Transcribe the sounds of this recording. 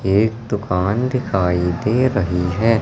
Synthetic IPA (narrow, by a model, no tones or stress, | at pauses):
eːk̚d̪ʊkaːnd̪ɪkʰaːid̪eːɾɐɦiɦɛː